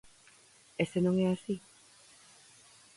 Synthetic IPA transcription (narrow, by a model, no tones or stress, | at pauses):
esenõŋɛasi